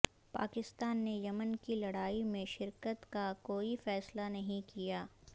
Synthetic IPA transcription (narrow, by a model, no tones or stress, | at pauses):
pa̰ːkɪst̪aːnːejɐmənkilɐɽaːimẽʃɪɾkət̪kakoːifɛːslanɐɦĩkijaː